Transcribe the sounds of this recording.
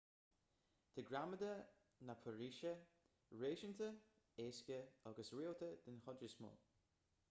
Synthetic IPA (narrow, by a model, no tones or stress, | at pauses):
d̪̥əɡɾaməd̪ə | napʰəɹiːʃə | ɹeːʃənt̪ə | eːskʲəaɡəsɹiːlt̪ʰəd̪ɪnxɔdɹɪsmɔ̰ː